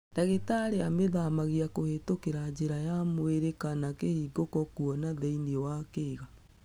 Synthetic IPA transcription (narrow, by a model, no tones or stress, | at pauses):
nd̥aɣetaɾeameðamaɣiakohetokeɾad͡ʑeɾajamoeɾekanakehiːɡokɔkuɔnaðeiniɔwakeːɣa